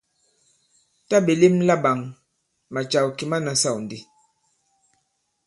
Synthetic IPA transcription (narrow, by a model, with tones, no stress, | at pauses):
ta˦be˨li˦mla˦ɓa˨ŋ | ma˨t͡ʃa˨wki˨ma˦na˨sa˦˨wn˨di˦